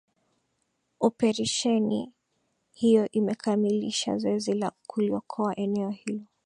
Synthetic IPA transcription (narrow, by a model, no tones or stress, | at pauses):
ɔpɛɾaʃɛni | hijɔʔimɛkʰamiliʃa̰zɔɛzilakʰuliɔkʰɔaʔɛnɛɔhilɔ